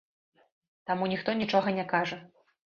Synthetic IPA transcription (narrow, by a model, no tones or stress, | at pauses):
t̪amunʲixt̪ɔnʲit͡ʂɔɣɐnʲɛkaʐɐ